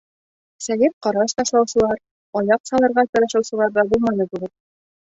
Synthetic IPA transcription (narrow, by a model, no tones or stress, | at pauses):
sæjɘp̚qɑɾɑʃt̪ɑʃlˠɑwsɤ̆lˠɑɾ | ɒjɑqsɑlˠɤ̆ɾʁɑt̪ɤ̆ɾɤ̆ʃɤ̆wsɤ̆lˠɑɾðɑbulˠmɑnɤbʉɡɘt̪̚